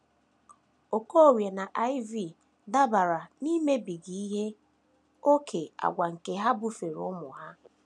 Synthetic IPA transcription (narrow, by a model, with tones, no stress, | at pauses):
o˨ko˦o˨wje˨na˨ʔa˦ɪ˦vi˦˨ | da˦ba˨ɾa˨ni˦me˦bi˨ɡi˨i˦ɦe˦ | o˦kʰe˨a̰˨ɡʷa˨ŋ̩˨ke˨ɦa˦bʊ˦fe˨ɾʊ̰˦mʊ˨ɦa˦